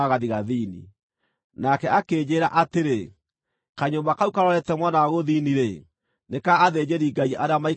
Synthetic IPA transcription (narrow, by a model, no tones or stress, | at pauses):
aɣaðiɣaðiːnḭ | nakɛakeːd͡ʑeːɾaʔateɾe | kaɲombakaukaɾɔɾɛtɛmwanawaɣoðiniɾe | nekaːðed͡ʑeɾiɡaiʔaɾeamai